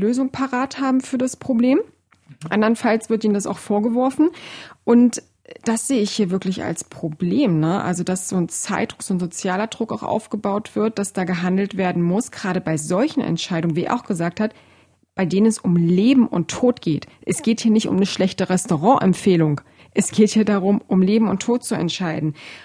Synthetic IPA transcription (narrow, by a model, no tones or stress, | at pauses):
løːzʊŋpʰaʁaːthaːbm̩fyːɐdaspʁ̥obleːm | ʔa̰ndɐʁənfalsv̥ɪɐtʔiːnəndasa̰ʊxfoːɐɡəvɔɐfn̩ʔʊnt | d̥asz̥eːəɪçhiːɐvɪɐklɪça̰lspʁ̥obleːmnəʔa̰lzodasz̥oːnt͡saɪt̚d̥ʁʊkz̥oːnzot͡sjaːlɐdʁʊkaʊxʔa̰ʊfɡ̥əbaʊtv̥ɪɐt̚d̥asd̥aːɡəɦandl̩tv̥eːɐdn̩mʊsɡ̥ʁaːɾəbaɪzɔlçn̩ʔɛ̰ntʃaɪɾʊŋənviɛ̰ɐʔa̰ʊxɡ̥əzaːk̚that | b̥aɪdeːnənɛsʊmleːbm̩ʔʊ̰ntʰːoːtɡ̥eːtʔɛsɡ̥eːthiːɐnɪçtʊ̰mnəʃlɛçtəʁɛstoʁɑ̃ːʔɛ̰mfeːlʊŋ | ʔɛsɡ̥eːthiːɐdaʁʊmʔʊmleːbm̩ʊntʰoːt̚t͡suɛ̰ntʃaɪdn̩